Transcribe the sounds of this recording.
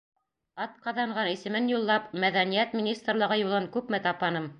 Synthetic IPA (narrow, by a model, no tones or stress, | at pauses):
ɑt̪̚qɑðɑɴɢɑnisɘ̆mɘnjulˠːɑpmæðænijæt̪mʲinʲist̪rlˠɤ̆ʁɤjulˠɤŋkʉpmæt̪ɑpɑnɤm